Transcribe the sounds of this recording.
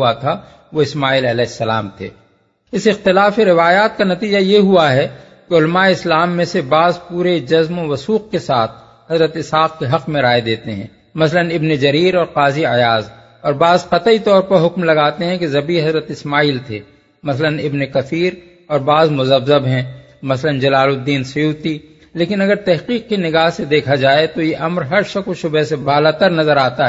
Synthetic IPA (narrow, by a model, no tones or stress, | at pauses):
at̪ʰa | ʋoɪsmaːiːlɐlɛːsːɐla̰ːmt̪ʰḛː | ɪsɪxt̪ɪlaːfeɾɪʋaːjaːt̪̚kanɐt̪iːd͡ʒajeɦuaɦɛ | keʊlmaːeɪslaːmːẽsebaːzpuːɾed͡ʒɐzmõʋɐsuːq̚kesaːt̪̚ʰ | ɦɐzɾət̪ɪsɦaːq̚keɦɐqmẽɾaːed̪eːt̪eɦɛ̰̃ː | mɐslənɪbned͡ʒɐɾiːɾɔːɾqaːziəjaːz | ɔːɾbaːzqɐt̪əit̪ɔːɾpɐɾɦʊkmlɐɡaːt̪eɦɛ̃kezɐbiɦɐzɾət̪ɪsmaːiːlt̪ʰḛː | mɐslənɪbnekɐfiːɾ | ɔːɾbaːzmʊzəbzəbɦɛ̃ | mɐslənd͡ʒɐlaːlʊd̪ːiːnsʊjuːt̪i | leːkɪnɐɡəɾt̪ɛɦqiːq̚kinɪɡaːɦsed̪eːkʰad͡ʒaːet̪ojeʔɐmɾɦɐɾʃɐkoʃʊbesebʱaːlaːt̪əɾnɐzəɾaːt̪aɦɛː